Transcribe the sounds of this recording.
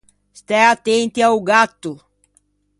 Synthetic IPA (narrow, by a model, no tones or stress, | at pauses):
st̪ɛat̪ẽnt̪ɪawɡat̪ʊ